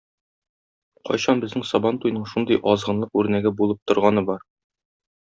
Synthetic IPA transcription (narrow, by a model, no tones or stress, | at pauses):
qɒ̰jɕɑnbɘ̆znɘŋsɒbɑnt̪ujnɤɴʃund̪ɤjʔɒzʁɤ̆nlˠɤqʉɾnæɡɘbulˠɤp̚t̪ŏɾʁɑnɤbɒɾ